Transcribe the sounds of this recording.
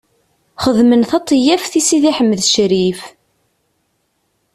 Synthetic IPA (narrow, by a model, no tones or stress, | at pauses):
χəðmənθɑt̪ˤːjæfθisiðiħəmːəðʃɾif